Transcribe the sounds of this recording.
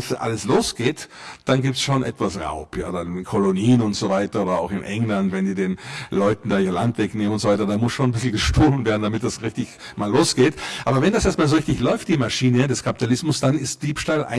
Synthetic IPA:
sʔa̰ləsloːsɡ̥eːtd̥anɡiːp̚tsʃoːnʔɛ̰tv̥asʁa̰ʊpʰja̰ːdankʰoloniːnʊntz̥ovaɪtɐoːdɐa̰ʊxɪnʔɛŋlantvɛndiːdeːnlɔʏtn̩daːɪɐlantvɛkneːmənʊntz̥ovaɪtɐdaːmʊsʃoːnnbɪsl̩ɡəʃtoːlənveːɐdn̩damɪt̚d̥asʁɪçtɪçmaːlːoːsɡ̥eːtʔaːbɐvɛndasʔeːɐst̚maːlzoʁɪçtɪçlɔʏft̚d̥iːmaʃiːnədɛskʰapitʰalɪsmʊsd̥anɪst̚d̥iːpʃtalʔa̰ɪ

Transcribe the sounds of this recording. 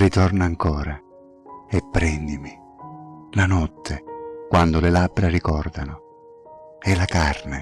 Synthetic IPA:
rit̪ɔrnaːŋkɔːɾa | ɛpːɾɛnd̪imi | lanɔt̪ʰːekwand̪ʊlɪlabːɾarikɔrd̪a̰nʊ | ɛlakarne

